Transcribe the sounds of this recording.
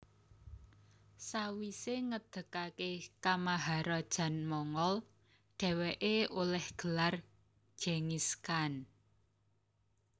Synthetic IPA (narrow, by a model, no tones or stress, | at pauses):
sawiseŋəd̪̥ə̤kakekamaɦaɾɔd̥ʒ̥a̤nmɔŋɔl | ɖ̥ɛ̤weʔeolɛhɡ̥ə̤lar̥ | ʒ̥eŋiskan